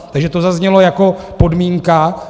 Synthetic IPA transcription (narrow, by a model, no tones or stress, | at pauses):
t̪aɡʒɛt̪o̞zazɲɛlo̞jako̞ | po̞dmiːŋka